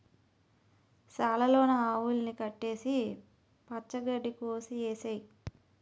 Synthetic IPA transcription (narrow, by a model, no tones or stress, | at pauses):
saːlɐloːnɐaːwulnikɐʈːe̞ːsi | pɐt͡ʃːɐɡɐɖːikoːsieːsɐj